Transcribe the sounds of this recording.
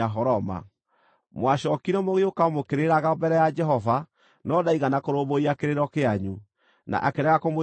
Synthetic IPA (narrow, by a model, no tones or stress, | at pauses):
aɦɔɾɔma̰ | mwaɕɔkiɾɛmoɣeokaomokeɾeɾaɣabɛɾɛjad͡ʒɛɦɔva | nɔdaiɣanakoɾoβoiakeɾeɾɔkeaɲu | na̰ʔakeɾɛɣakomo